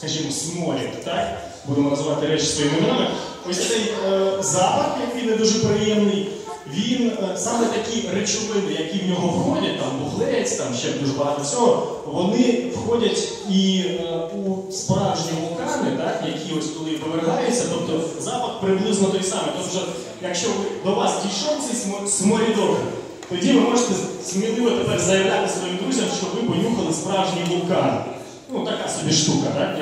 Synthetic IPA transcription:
skɐʒimɔsmɔlʲit̪ɑk | bud̪ɪmɔnɐzʋɑt̪ɪɾɛt͡ʃsɔjimɪnɔmɪ | ɔsʲsɛjəzɑpɐxjɐkɪjned̪uʒɛpɾɪjɛmnɪj | ʋʲinsɑmɛt̪ɐkʲijret͡ʃʊʋɪnɪjɐkiwnʲɔɦɔwxɔdʲɐt̚ʲt̪ɑmbʊɦlˠɛjt͡sʲt̪ɑmʃɛbd̪uʒɛbɐɦɑt̪ɔt͡sʲɔɦɔ | ʋɔnɪwxɔdʲɐtʲ | i | u | spɾɑwʒnʲiʋʊlˠkɑnɪt̪ɑkjɐkʲʰiɔsʲt̪ɔd̪ɪpɔʋeɾɦɑjʊt͡sʲːɐt̪ɔp̚t̪ɔzɑpɐxpɾɪblˠɪznɔt̪ɔjsɑmɪt̪ɔpt͡ʃɔ | jɐkʃt͡ʃɔd̪ɔʋɑsdʲijʃɔt̪sʲɛsʲmsmɔɾʲid̪ɔbɾɛ̰ | t̪ɔdʲiʋɪmɔʐɪt̪ɛsmʲilˠɪmɔt̪epɛrzɐjɐʋlʲat̪ɪsʋɔjimd̪ɾuzʲɐmʃt͡ʃɔʋɪpɔnʲuxɐlˠɪspɾɑwʒnʲiʋʊlˠkɑnɪ̰ | nut̪ɐkɑsɔbʲiʂt̪ukɐt̪a

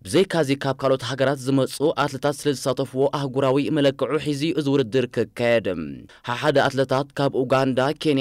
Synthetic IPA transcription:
b̥ɨzɐjkʰazikʰaβkʰalo̞t̪ɦaɡɐɾat̪zɨmɐt͡sʼuʔat̪lɐt̪ʰat̪sɨlɐzɨsat̪ʰɐfuwo̞ʔahɡuɾawimɐlɐkːɨʕuħiziʔɨzwʊɾɨd̪ːɨɾkʰɨkʰːajɛd̪ɨmhaħad̪ɐʔat̪lɐt̪ʰat̪kʰaβʔuɡand̪akʰe̞nj

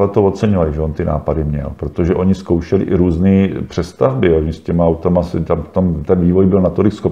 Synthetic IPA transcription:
lɛt̪ovot̪t͡sɛɲovalɪʒɛont̪ɪna̰ːpadɪmɲɛ̰lpɾot̪oʒɛʔo̞ɲɪskowʃɛlɪ̰ʔɪɾuːzniːpr̥ɛst̪avbɪoɲɪscɛmaawt̪amast̪amft̪omt̪ɛnviːvojbɪlnat̪olɪksxop

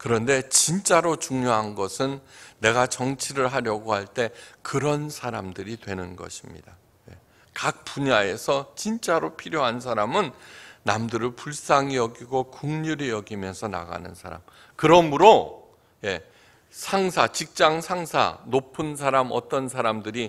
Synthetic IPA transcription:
kɯɾʌnde̞t͡ɕint͡ɕ͈aɾot͡ɕuŋɲoɦanɡʌsʰɯnːe̞ɡat͡ɕʌŋt͡ɕʰiɾɯɭɦaɾjʌɡohaɭt͈e̞kɯɾʌnsʰaɾamdɯɾitwe̞nɯnɡʌ̰ɕʰimɲḭd̥a | je̞̰ | kak̚p͈uɲae̞sʰʌt͡ɕint͡ɕ͈aɾopʰiɾjoɦans̬ʰaɾamɯnnamdɯɾɯɭpuɭs͈aŋijʌɡiɡokuŋɲuɾijʌɡimjʌnsʰʌna̰ɡa̰nɯnsʰa̰ɾa̰m | kɯɾʌmɯɾo | je̞ | sʰaŋsʰat͡ɕik̚t͡ɕ͈aŋsʰaŋsʰa̰nopʰɯns̬ʰaɾamʌ̰t͈ʌnsʰaɾamdɯɾi

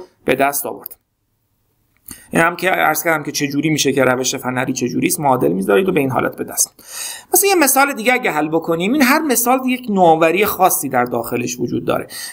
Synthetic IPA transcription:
b̥e̞d̪æst̪ɒ̰ːvo̞̰ɾd̪̥ | æmcʰeæ̰ɾz̥kʰʲæɾd̪æmcʲʰet͡ʃʰe̞d͡ʒuːɾiːmiːʃe̞ceɾæveʃe̞fænæɾiːt͡ʃʰe̞d͡ʒuːɾiːst̪moːd̪e̞̰lmiːzɒːɾiːd̪obe̞iːnɦɒ̰lʔæ̰t̪̚be̞d̪æst̪mæsæjeme̞sɒːle̞d̪iːɟeæɟæɦælːbo̞kʰo̞niːmiːnɦæɾme̞sɒːld̪ijecʰnovæɾiːjexɒːsːiːd̪æɾd̪ɒːxe̞le̞ʃvod͡ʒṵːd̪̚ːɒ̰ːɾe̞̰

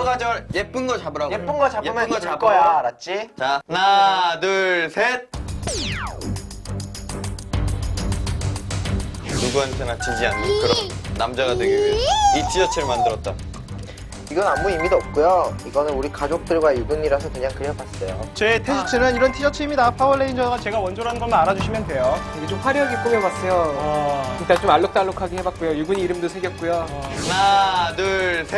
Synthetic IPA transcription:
ɡad͡ʑʌɾjep͈ɯnɡʌt͡ɕabɯɾaɡjepp͈ɯnɡʌt͡ɕajeɯnɡʌt͡ɕabʌjaɾat̚t͡ɕ͈it͡ɕanadɯɭsʰet̚ | nuɡuɦantʰenat͡ɕid͡ʑianɯkɯɾʌnamd͡ʑaɣadeɡieitʰid͡ʑʌt͡ɕʰɯɭmandɯɾʌt̚t͈a | iɡʌnamːuimidoʌp̚k͈ujoiɡʌnɯnuɾikad͡ʑok̚t͈ɯɭɡwajuɡuɲiɾasʰʌkɯɲaŋkɯɾepas͈ʌjot͡ɕe̞tʰesʰit͡ɕʰɯnɯniɾʌntʰid͡ʑʌt͡ɕʰɯimidapʰaɯɭːeind͡ʑʌɡat͡ɕe̞ɡawʌnd͡ʑoɾɦanɡʌmɯnaɾad͡ʑuɕʰimjʌndwe̞jokiɡet͡ɕomɸwaɾjʌɦaɡik͈umebas͈ʌjo | ik͈ant͡ɕomaɭːok̚t͈aɭːokʰaɡihe̞bat̚k͈ujojuɡɯɲiːɾɯmdosʰeŋɡjʌt̚k͈ujonanɯɭsʰe

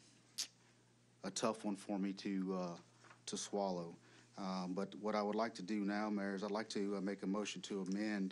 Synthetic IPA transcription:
ətʰʌfwʌ̃nfə˞miɾɨʌ | ɾʰɨswɑlˠoʊʌbʌt̚wʌɾaɪwədˡlaɪk̚tʰɨdɨnaʊmɛɹzaɪlaɪk̚tʰɨʌmeɪkɨmoʊʃn̩tʰɨːmɛ̃n

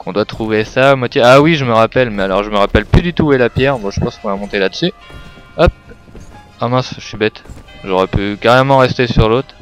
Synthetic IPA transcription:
kɔ̃d̪wat̪χuvesamwat̪jeawiʒəməʁapɛlmɛalɔʁʒəməʁapɛlplyd̪yt̪uɛlapjɛʁbɔ̃ʒəpɑ̃skɔ̃vamɔ̃t̪elad̪əsyɔp̚ | amɛ̃sʃɥibɛt̪ʒɔʁɛpykaʁɛmɑ̃ʁɛst̪esyʁlot̪χ

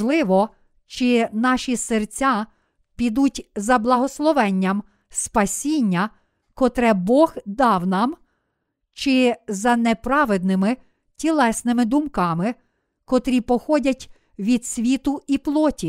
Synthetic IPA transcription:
lˠɪʋɔ | t͡ʃɪnɑʃʲisert͡sʲa | pʲid̪utʲzɐblˠɐɦɔslˠɔʋɛnʲːɐm | spɐsʲinʲːɐ | kɔt̪ɾɛbɔɣd̪ɑwnɑm | t͡ʃɪzɐnepɾɑʋed̪nɪmɪ | tʲilˠɛsnɪmɪd̪ʊmkɑmɪ | kɔt̪ɾʲipɔxɔdʲɐtʲ | ʋʲid̪sʲʋʲit̪ʊiplˠɔtʲi

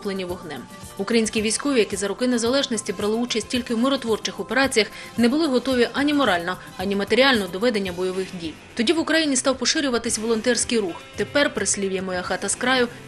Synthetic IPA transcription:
plˠenʲiʋɔɦnɛm | ukɾɐjinʲsʲkʲiʋʲijsʲkɔʋʲijɐkizɐɾɔkɪnezɐlˠɛʒnɔsʲtʲibɾɑlˠɪut͡ʃɐsʲtʲtʲilʲkɪwmɪɾɔt̪ʋɔrt͡ʃɪxɔpeɾɑt͡sʲijɐx | nebʊlˠɪɦɔt̪ɔʋʲiʔɐnʲimɔɾɑlʲnɔ | ɐnʲimɐt̪eɾʲiɑlʲnɔɔd̪ɔʋɛd̪enʲːɐbɔjɔʋɪxdʲijt̪ɔdʲiʋʊkɾɐjinʲist̪ɑwpɔʃɪɾʲʊʋɐt̪ɪsʲʋɔlˠɔnt̪ɛrsʲkɪjɾuxt̪epɛrpɾɪsʲlʲiʋjɛmɔjaxɑt̪ɐskɾɑjʊ

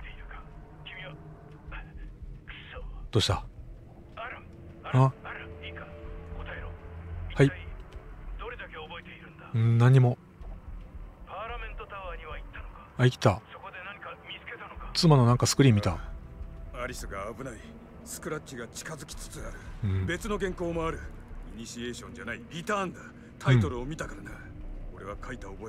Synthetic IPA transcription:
ekḁ | kʲimʲia | t̪o̞ɕi̥t̪a | akakot̪aeɾoihai | d̪oɾed̪akeoboet̪eiɾɯ̟̃nd̪aɯ̟̃nãɲ̟ːimo̞ | paːɾamẽnt̪ot̪aβaɲ̟iβait̪ːanokḁaikʲi̥t̪asokod̪enaɲikamʲit͡sɨ̥ket̪anokḁt͡sɨmano̞nãŋkasɨ̥kɯ̟ɾʲimʲːit̪a | aɾʲisɨɡaːbɯ̟nai | sɨ̥kɯ̟ɾaɕiɡat͡ɕi̥kazɨkʲi̥t͡sɨ̥t͡sɨaɾɯ̟̃be̞t͡sɨno̞ɡẽŋko̞ːmo̞aɾɯ̟iɲ̟iɕie̞ːɕõ̞ɲ̟d͡ʑanaiɾʲit̪ãːnd̪a | t̪ʰaĩt̪o̞ɾɯ̟omʲit̪akaɾanaɾɯo̞ɾe̞β̞akʰait̪aobo̞

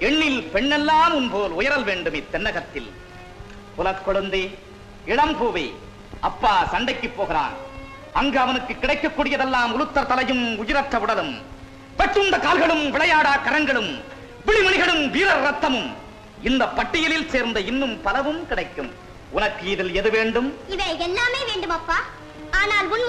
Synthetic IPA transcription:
ɛɳːɪlpɛɳːɛlːaːmʊnpoːlʊjɐɾɐlʋeːɳɖɯmeːt̪ːɛnːɐɣɐt̪ːɪl | pʊlɐkːɔɭɯnd̪eː | ɪɽɐmpoːʋḛː | ɐpːaːsɐɳɖɐɪkːɯpːoːɣɪɾa̰ːn | ɐŋɡeɐʋɐnɯkːɯkːɪɽɐɪkːɐkːuːɽɪjɐðɛlːaːmʊlɯt̪ːɐɾt̪ɐlɐjɯmʊjɪɾɐʈrɐʋʊɽɐlɯm | pɐʈrɯnd̪ɐkaːlɣɐɭɯmʋɪɭɐjaːɽaːkɐɾɐŋɡɐɭɯm | ʋɪɭɪmɐɳɪɣɐɭɯmʋiːɾɐɾɾɐt̪ːɐmɯm | ɪnd̪ɐpːɐʈːɪjɐlɪlseːɾnd̪ɐɪnːɯmpɐlɐʋɯmkɪɽɐɪkːɯm | ʊnɐkːɯɪðɪlɛðɯʋeːɳɖɯmɪʋɐɪɛlːaːmeːʋeːɳɖɯmɐpːaː | aːnaːlʊn

